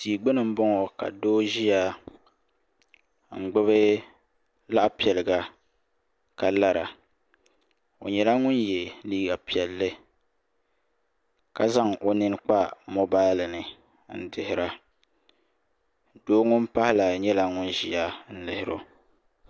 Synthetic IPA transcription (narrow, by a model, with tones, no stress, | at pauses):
tiː˨ɡ͡bɪ˦nɨ˨m̩˦bɔ˦ŋɔ˨ka̰˨doː˦ʒi˦ja˦ | ŋ̩˨ɡ͡bɨ˦βɨ˦ | la˦ʔpi˨ɛ˨lɨ˨ɡa˨ | ka˦la˦ɾa˨ | o̰˨ɲɛ˨la˦ŋʊ˦njɛ˨liː˦ɡa˨pi˨ɛ˨lːɨ˦ | ka˦za˦ŋʔo˨nɨ˦n˦k͡pa˦mo˦baː˦lɨ˨nɨ˨ | n̩˦dɪ˨hɪ˨ɾa˦ | doː˦ŋʊ˦m˦pa˦hɪ˦la˨ɲɛ˦la˦ŋʊ˦nʒi˦ja˦n̩˦lɪ˨hɪ˨ɾo̰˦